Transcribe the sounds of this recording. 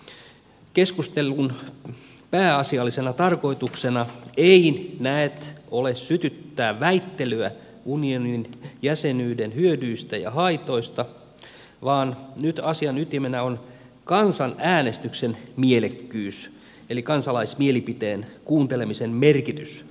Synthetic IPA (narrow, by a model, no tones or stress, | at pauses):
keskust̪elːun | pæːɑsiɑlːisenɑt̪ɑrko̞it̪uksenɑeinæet̪olessyt̪yt̪ːæːʋæit̪ːelyæ | unioninjæsenyːdenhyødyːst̪æjɑ̰hɑit̪o̞ist̪ɑ | ʋɑːnnyt̪ɑsiɑnyt̪imenæon | kɑnsɑnæːnest̪yksenmielekːyːs | elikɑnsɑlɑismielipit̪eːnkuːnt̪elemisemmerkit̪ys